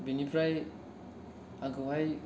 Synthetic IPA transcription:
binipʰɾaj | aɡɯɦaj

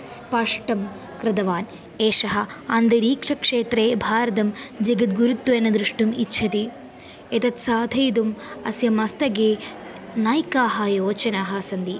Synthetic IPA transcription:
spɐʂʈɐm | kɾɪd̪ɐʋaːn | eːʂɐɦɐɐnd̪ɐɾiːkʂɐkʂeːt̪ɾeːbʱaːɾɐd̪ɐmd͡ʒɐɡɐt̪̚ɡuɾut̪ːuʋenɐd̪ɾuʂʈumitːʃʰɐt̪i | et̪ɐt̪saːd̪ʱɐjd̪umɐsjɐmɐst̪ɐɡeː | naːjkaːɦɐjoːt͡ʃɐnaːɦɐsɐnd̪i

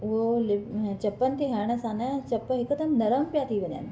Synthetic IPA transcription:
ʊɦolɪt͡ɕɐpːənt̪eɦaːɽ̃sãːnɛt͡ʃɐpːɦɪkːd̪ɐmnɐɾəmpjaːt̪ʰiʋɐ̃ɲa̰n

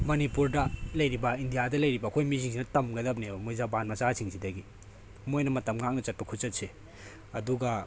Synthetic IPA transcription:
mɐnipuɾdɐlɐjɾibɐindijadɐlɐjɾibɐːkʰojmisʰiŋsinɐtɐmɡɐdɐp̚nebɐmojzabanmɐsasʰiŋsʰidɐɡi | mojnɐmɐtɐmŋak̚nɐt͡ʃɐt̚pɐkʰut͡ʃɐt̚se | ɐduɡa

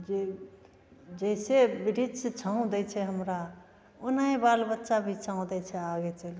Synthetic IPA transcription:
d͡ʒe | d͡ʒəisebiɾid͡ʒset͡ʃʰaũd̪ɛt͡ʃʰɛɦəmɾa | onaĩbalbətːʃabʱit͡ʃʰãõd̪ɛt͡ʃʰɛaɡet͡ʃəl

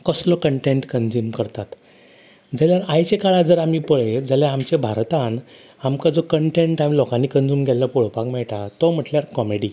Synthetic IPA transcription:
kɔslɔkəɳʈeɳʈkənd͡zuːmkəɾt̪at̪ | d͡zaljaɾajt͡ɕekaɭad͡zəɾam̤ipəɭed͡zaljaamt͡ɕebʱaɾt̪ãn | amkad͡zɔkəɳʈẽɳʈamilɔkãniːkənd͡zuːmɡʱɛlːəpɔɭ̤pakmɛɭʈat̪ɔm̤əʈljaɾkɔmeɽi

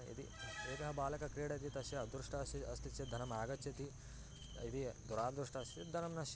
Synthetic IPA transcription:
ḭd̪ḭeːt̪ɐɦɐbaːlɐkɐkɾeːɽɐt̪̬it̪ɐʃjɐd̪ɾuʂʈɐɐst̪iɐst̪it͡ʃːed̪ʱɐnɐmaːɡɐt͡ʃt͡ʃːɐt̪i | id̪id̪uɾaːd̪ɾuʂʈɐːst̪id̪ʱɐnɐmnɐʃ

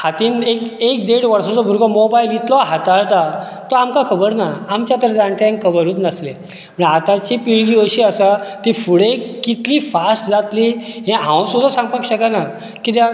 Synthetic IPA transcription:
hat̪iːnekek̚d̪eɽʋəɾsat͡sɔbʱuɾɡɔmobailit̪lɔɦat̪aɭt̪a | t̪ɔamkakʰəbəɾnaamt͡ɕjat̪əɾd͡zaɳʈ̪eẽŋkʰəbəɾuːt̪nəsle | m̤əɳat̪at͡ɕipiɭɡiːəɕiːəsat̪iːfuɽekit̪liːfasʈd͡zat̪liːɦẽɦãwsud̪asãŋɡpakɕəkana | kit̪ja

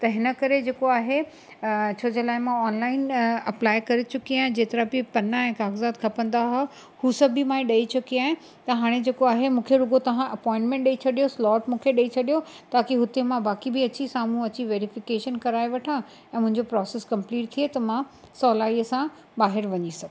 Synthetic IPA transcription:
t̪ɐɦɪnə̆kɐɾed͡ʑeːkoaːɦe | t͡ɕʰoːd͡ʑelaːɪmãɔːnlaːɪnɐplaːɪkɐɾet͡ɕʊkiaːɦɪ̃d͡ʑeːt̪ɐɾabipɐnaɛ̃ːkaːɡzaːd̪̚kʰɐpə̃nd̪aɦo | huːsɐbʱɪmãːẽɗɐit͡ɕʊkiaːɦɪ̃ | t̪ɐɦaːɽ̃ed͡ʑeːkoaːɦemũːkʰeɾʊɡot̪ɐʋ̤ãʔɐpɔ̃ːɪ̃ɳʈmɛ̃ɳʈ̚ɗɐit͡ɕʰɐɗijoslɔːʈmũːkʰeɗɐit͡ɕʰɐɗijo | t̪aːkiɦʊt̪emãbaːkibʱɪɐt͡ɕisaːmũɐt͡ɕiʋeːɾɪfɪkeːʃənkɐɾaːeʋɐʈʰã | ɛ̃ːmʊ̃ɦɪ̃ɲd͡ʑopɾɔːseskɐ̃mpliːʈ̚t̪ʰiet̪ɐmã | sɔːlaːiəsã | baːɦɪɾʋɐɲisɐɡ

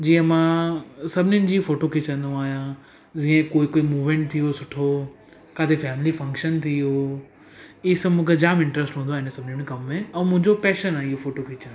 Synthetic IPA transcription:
d͡ʑiːə̃mãsɐbʱɪnʊnɪ̆d͡ʑiːfoːʈokʰet͡ɕɐ̃nd̪ũaːɦijã | d͡ʑiːə̃koːikoːimuːʋmẽːɳʈ̚t̪ʰijosʊʈʰo | kaːt̪ʰefɛːmlifɐ̃ŋkʃənt̪ʰijo | iːsɐmʊ̃kʰed͡ʑaːmɪ̃ɳʈɾesʈɦũːnd̪aːɦɪnesɐbʱɪnʊnẽkɐmːẽɛ̃ːmʊ̃ɦɪ̃ɲd͡ʑopɛːʃənaːɦijofoːʈokʰeːt͡ɕɐ̃

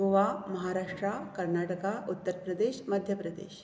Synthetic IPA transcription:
oʋamɐɦaɾaːʂʈɾakəɾnaʈəkaut̪ːəɾpɾəd̪eːɕməd̪ʱjəpɾəd̪ḛːɕ

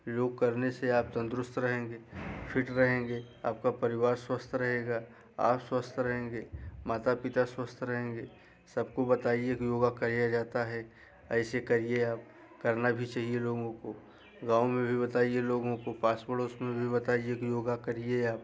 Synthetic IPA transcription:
joːɡ̚kɐɾneseaːp̚t̪ɐ̃nd̪ɾʊst̪ɾɐɦẽːŋɡeːpʰɪʈɾɐɦẽːŋɡeː | aːp̚kapɐɾɪwaːɾswəst̪ʰɾɐɦeːɡaː | a̰ːpswəst̪ʰɾɐɦẽːŋɡeːmaːt̪apɪt̪aswəst̪ʰɾɐɦẽːŋɡeː | sɐb̚kobɐt̪aːiekjoːɡakɐɾijad͡ʒaːt̪aɦɛ | ɛːsekɐɾieaːp̚ | kɐɾnabʱit͡ʃaːɦieloːɡõko | ɡãːwmẽbʱibɐt̪aːieloːɡõkopaːsbəɽoːsmẽbʱibɐt̪aːiekjoːɡakɐɾieaːp̚

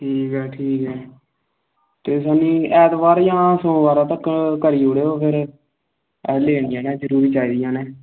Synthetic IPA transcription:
ʈʰiːkɦɛːʈʰiːkɦɛː | t̪eːsaːnĩːɛːd̪ʋaːɾjãːsõːʋaːɾaːt̪əkkəɾiːoːɽeːoːpʰɪɾ | ɛːleːɽɪjãːnɛːd͡ʒəɾuːɾiːt͡ʃaːiːd̪ɪjãːnɛː

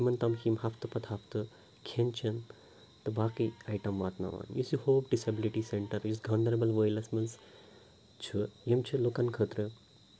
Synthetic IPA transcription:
imɐnt̪ɐmhimhɐfʰt̪ɨpɐt̪ʰhɐfʰt̪ɨ | kʰent͡ʃʰɐn | t̪ɨbaːkiajʈɐmʋaːt̪nɐ̰ʋa̰ːnjisihoːpɖisɐbiliʈiseɳʈɐɾjisɡɐnɐɾɐbɐlʋəːjlɐsmɐns | t͡ʃʰɨjemt͡ʃʰɨlukɐnkʰəːt̪ɾɨ

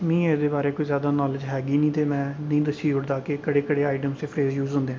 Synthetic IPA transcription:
mĩːeːd̪eːbaːɾeːkoːiːzjaːd̪aːnɔːlɪd͡ʒɦɛːɡiːnĩːt̪eːmɛ̃ːnəĩːd̪əsiːd͡ʒʊɽd̪aːkɪkəɽeːkəɽeːaːɪʈəmst̪eːpʰɾeːzjuːzɦʊ̃nd̪eːɦː

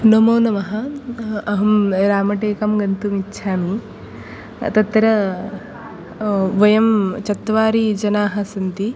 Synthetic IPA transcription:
nomoːnɐmɐɦɐɐɦɐmɾaːmɐʈeːkɐmɡɐnt̪umitːʃʰaːmi | t̪ɐt̪ːɾɐ | ʋɐjɐmt͡ʃɐt̪ːɐʋaːɾid͡ʒɐnaːɦɐsɐnt̪i

